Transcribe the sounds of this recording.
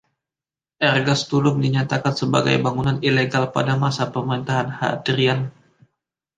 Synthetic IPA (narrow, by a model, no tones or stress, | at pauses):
ʔɛrɡast̪ulʊmdiɲat̪akansəba̰ɡa̰jbaŋunanileɡalpa̰damasapəməɾint̪aɦanha̰dɾian